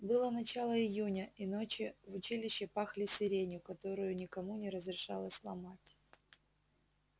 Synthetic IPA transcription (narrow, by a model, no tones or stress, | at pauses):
bɨlˠənɐt͡ɕalˠəɪjunʲəino̞t͡ɕɪvʊt͡ɕilʲɪɕːɪpaxlʲɪsʲɪɾʲenʲʊkɐt̪o̞ɾʊjʊnʲɪkɐmunʲɪɾəzɾʲɪʂa̰lˠəsʲlˠɐmatʲ